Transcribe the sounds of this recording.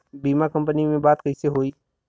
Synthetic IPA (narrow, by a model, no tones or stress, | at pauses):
biːmakɐ̃mpənimẽbaːt̪kɐiseɦoːiː